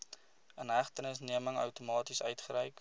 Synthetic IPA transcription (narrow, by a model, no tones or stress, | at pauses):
ənɦæχtənəsniəməŋə̰wtumɑːtisœɥtχəɾəjk